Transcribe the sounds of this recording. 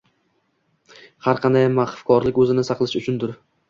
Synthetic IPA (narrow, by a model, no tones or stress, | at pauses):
haɾqʰɑnd̪ajmaχfkʰɒɾlɪkʲɵzɪnɪsɑqlˠɪʃʊt͡ʃʰʊnd̪ʊɾ